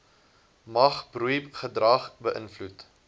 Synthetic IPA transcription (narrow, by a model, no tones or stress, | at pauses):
mɐχbrupχədrɐχbəʔənflut